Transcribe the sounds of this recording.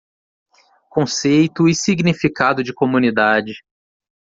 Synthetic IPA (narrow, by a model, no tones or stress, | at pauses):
kõsejt̪ʊisiɡnifikad̪ʊd͡ʒɪkomũnid̪ad͡ʒɪ